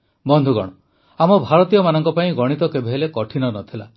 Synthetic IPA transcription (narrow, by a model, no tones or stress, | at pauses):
bɔnd̪ʱuɡɔ̰ɽ̃ɔ | amɔbʱaɾɔt̪ijɔmanɔŋkɔpaĩɡɔɽ̃it̪ɔkebʱeɦelekɔʈʰinɔnɔt̪ʰila̰